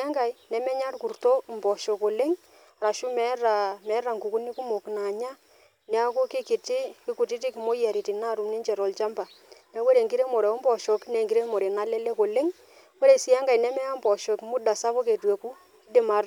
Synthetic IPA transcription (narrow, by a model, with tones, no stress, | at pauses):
a˦ŋɡa˨jnɛ˨mɛ˦ɲa˦ɾku˨rto˦mbɔ˨ʃɔ˨ko˨le˦ŋ | a˨ɾa˨ʃʊ˦mɛ˦ɾa˨mɛ˨˦ɾa˨ŋɡu˨ku˦ni˦ku˦mo˨kna˨ɲa˦ | nɛ˨˦a˦ko˦ke˦kɪ˨tɪ˦ki˦ku˨tɪ˦t̬i˦kɪ˨mo˦ja˨ɾi˨ti˨na˦˨ɾu˨ne˦ɲt͡ʃɛ˨ɾɔ˨lt͡ʃa˦mba˨ | nɛ˨˦we˦ɾe˨ŋɡi˦ɾe˦mo˨ɾe˨ɔ˦mbɔ˨ʃɔ˨knɛ˨ŋɡi˦ɾe˦mo˨ɾe˨na˦lɛ˦lɛ˦ko˨le˦ŋ | we˦ɾe˨sɪ˨ja˦ŋɡa˨jnɛ˦mɛ˦a˦mbɔ˨ʃɔ˨ki˦mʊ˦da˨sa˦po˦ke˨twe˨ku˦ | i˦de˨ma˨r